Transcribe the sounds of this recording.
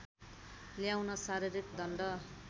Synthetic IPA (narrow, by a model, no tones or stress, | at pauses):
ljawnʌsaɾiɾikd̪ʱʌnɖʌ